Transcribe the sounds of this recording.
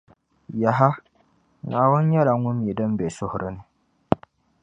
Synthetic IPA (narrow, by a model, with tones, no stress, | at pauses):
ja˨ɦa˦ | naː˨wʊ˦n˦ɲɛ˦la˨ŋʊ˦m˦˨ɛ˨dɨ˦m˦bɛ˨sʊ˦hʊ˨ɾɨ˦nɨ˨